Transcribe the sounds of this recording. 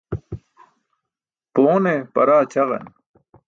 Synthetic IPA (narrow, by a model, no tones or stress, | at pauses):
poːnepɐɾaːt͡ɕɐʁḛn